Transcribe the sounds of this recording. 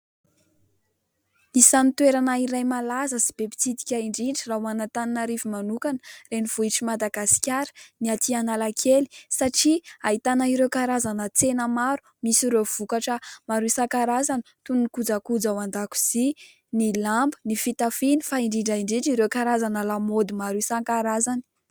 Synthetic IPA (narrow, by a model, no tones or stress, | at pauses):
isanit̪weɾanaiɾajmalazəsi̥b̥epi̥t͡sid̪ikʲaiɳɖ͡ʐiɳɖ͡ʐiraɦuanat̪aninaɾivimanukanə̥reniv̥uiʈ͡ʂimad̪aɡasi̥kʲaɾə̥niat̪ianalakʰeli̥saʈ͡ʂiaɦit̪anaiɾewkaɾazanət͡senəmaɾu̥ | misiɾev̥ukaʈ͡ʂəmaɾusaŋkaɾazani̥t̪ununikud͡zakud͡zawand̪aku̥z̥i | nilambənifit̪afinifaiɳɖ͡ʐiɳɖ͡ʐaiɳɖ͡ʐiɳɖ͡ʐiɾewkaɾazanalamod̪imaɾusaŋkaɾazani̥